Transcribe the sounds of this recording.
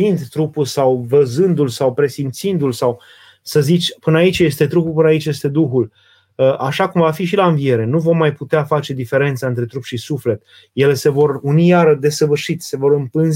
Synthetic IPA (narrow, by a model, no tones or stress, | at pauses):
ind̪t̪ɾupulsawvəzɨnd̪ulsawpɾe̞sint̪sind̪ulsaw | səzit͡ʃʲpɨnait͡ʃje̞st̪e̞t̪ɾupupɨnait͡ʃje̞st̪e̞d̪uxul | əʔaʃakumvafiʃ̬ilaɨnvije̞ɾe̞nuvo̞mmːajput̪eafat͡ʃe̞d̪ife̞ɾe̞nt̪saɨnt̪ɾe̞t̪ɾupʃisufle̞t̪ | je̞le̞se̞vo̞runijaɾəd̪e̞səvɨrʃit̪se̞vo̞ɾɨmpɨnz